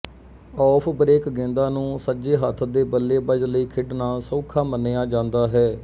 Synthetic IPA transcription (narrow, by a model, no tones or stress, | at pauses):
ɔːpʰbəɾeːkɡẽːnd̪aːnũːsəd͡ʒeːɦət̪ʰːd̪eːbəlːeːbəd͡ʒləiːkʰɪɖnaːsõːkʰãːmənːeːjaːd͡ʒãːnd̪aːɦɛː